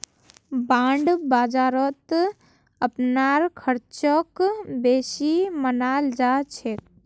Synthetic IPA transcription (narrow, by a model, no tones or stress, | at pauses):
bãːɳɖbaːd͡ʒaːɾɔt̪ | əpnaɾkʰəɾt͡ʃɔkbeːsimənald͡ʒat͡ʃʰe